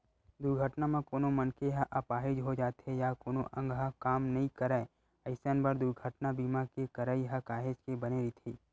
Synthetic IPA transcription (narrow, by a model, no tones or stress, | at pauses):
d̪ʊɾɡʱəʈnamãkoːnomɐnkeɦaʔɐpaːɦɪd͡ʒɦod͡ʒaːt̪ɦejakoːnoʔɐ̃ŋɡɦakaːmnɐɦĩkɐɾəe | ɐɪsənbɐɾd̪ʊɾɡʱəʈnabiːmakekɐɾəiɦɐkaːɦed͡ʒkebɐneɾit̪ʰiː